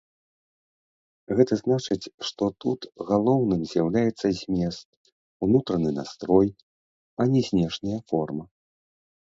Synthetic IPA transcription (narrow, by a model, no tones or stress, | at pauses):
ɣɛt̪ɐznat͡ʂɨt͡sʲʂt̪ɔt̪ut̪ɣalˠɔwnɨmzʲjawlʲajɛt̪sːɐzʲmʲɛst̪̚ | unut̪ɾɐnɨna̰st̪ɾɔj | ɐnʲɛzʲnʲɛʂnʲɐjɐfɔrmɐ